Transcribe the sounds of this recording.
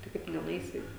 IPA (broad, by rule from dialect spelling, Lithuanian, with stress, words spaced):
tɐɪ ˈkɐɪp tʊ nʲɛnʊˈɛɪsʲɪ